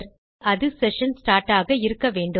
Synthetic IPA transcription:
ɾ | ɐðɯsɛʂɐnsʈaːɾʈːaːɣɐɪɾɯkːɐʋeːɳɖɯ

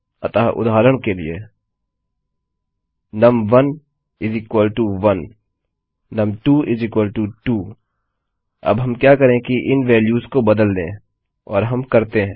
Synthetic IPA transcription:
ɐt̪aːɦʔʊ̰d̪ʱaːɾəɽ̃kelḭe | nɐmʋɐn | ɪzɪkwəlʈuːʋɐnː | ɐmʈuːʔɪzɪkwəlʈuːʈuː | ɐ̰bɦɐmkjaːkɐɾẽkiʔɪnʋɛːljuːzkobɐd̪əld̪ḛ̃ː | ɔ̰ːɾɦɐmkɐɾt̪eɦɛ̃ː

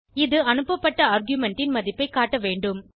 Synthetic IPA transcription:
ɪðɯɐnɯpːɐpːɐʈːɐaːɾɡjʊmɛɳʈːɪnmɐðɪpːɐɪkːaːʈːɐʋeːɳɖɯm

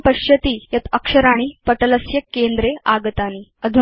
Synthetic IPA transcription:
pəɕjɐt̪iːjɐt̪əkʂəɾaːɽ̃iːpəʈələsjɐkːend̪ɾeaɡət̪aːniəd̪ʱu

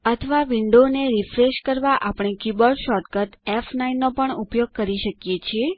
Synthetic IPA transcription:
ət̪ʰəʋaʋiɳɖoneɾifɾeʃkəɾʋaʔapɳ̃ekubəɾɖʃɔʈkət̪ɛfnainːopəɳupjoɡ̚kəɾiʃəkjet͡ʃʰie

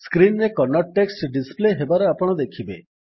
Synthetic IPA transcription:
skɾinːekɔnɔʈʈːeksʈɖispleɦebaɾɔapɔɽ̃ɔd̪ekʰibe

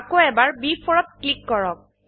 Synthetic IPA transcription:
akoɛbaɹbifʰɔɹɔt̚klikːɔɹɔk̚

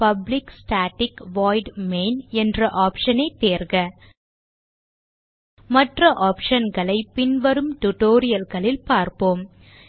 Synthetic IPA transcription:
pɐblɪksʈaːʈːɪkʋaːɪɖmeːnɛndrɐʔaːpʂɐnɐɪt̪ːeːɾɣɐ | mɐʈrɐʔaːpʂɐnɡɐɭɐɪpːɪnʋɐɾɯmʈʊʈoːɾɪjɐlɣɐɭɪlpaːɾpoːm

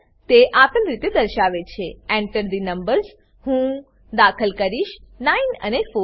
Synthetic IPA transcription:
t̪eʔakəlɾit̪ed̪əɾʃaʋet͡ʃʰeɛ̃ɳʈəɾd̪inəmbəɾs | hũ | d̪akʰəlkəɾiʃnainə̰nefo

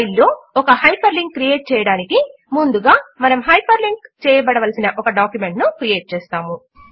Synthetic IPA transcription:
jilːo̞ːɔkɐhɐjpʰɐɾliŋk̚ːɾijeːʈ̚t͡ʃɛːjɐɽaːniki | mund̪uɡaːmɐnɐmɦɐjpʰɐɾliŋɡt͡ʃɛːjɐbɐɽɐʋɐlɐsinɐʔɔkɐɖaːkjume̞ɳʈnukɾijeːʈ̚t͡ʃɛːst̪aːmu

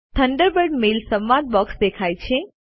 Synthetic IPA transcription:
t̪ʰə̃ɳɖəɾbəɾɖmelsəmʋãd̪̚bɔksd̪ekʰajt͡ʃʰe

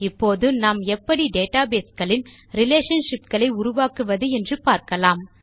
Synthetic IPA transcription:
ɪpːoːðɯnaːmɛpːɐɽiɖeːʈaːbeːsɡɐɭɪn | ɾɪleːʂɐnʂɪpɡɐɭɐɪʊɾʊʋaːkɯʋɐðɯɛndrɯpaːɾkɐlaːm

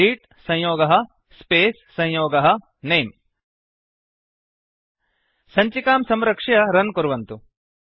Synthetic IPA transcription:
iːʈ | sɐ̃jjoːɡɐɦɐ̆ | speːsːɐ̃jjoːɡɐɦɐ̆ | neːm | sɐɲt͡ʃikaːmsɐmɾɐkʂɐjɐɾɐnkuɾʋɐnt̪u

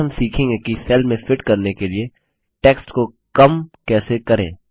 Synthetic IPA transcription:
ɐmsiːkʰẽŋɡɛkiseːlmẽfɪʈkɐɾnekelie | ʈeːksʈko | kɐmkɛːsekɐɾḛ̃ː

